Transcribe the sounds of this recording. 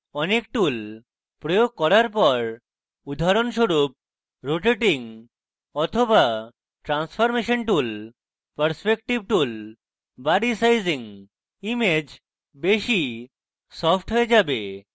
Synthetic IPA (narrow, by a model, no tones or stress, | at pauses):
ɔnek̚ʈul | pɾojoɡ̚kɔɾaɾpɔɾ | ud̪ʱaɾonʃoɾup̚ | ɾoʈeʈiŋ | ɔt̪ʰoba | ʈɾansfʰɔɾmeʃonʈul | pəɾspek̚ʈib̚ʈul | baɾisajziŋ | imed͡ʑ | beʃi | sɔpʰʈɦoed͡ʑabe